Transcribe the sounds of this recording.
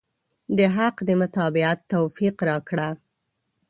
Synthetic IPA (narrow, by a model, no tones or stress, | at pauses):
d̪əɦaqd̪əmʊt̪ɑbɪat̪ːawfiqɾɑkɽa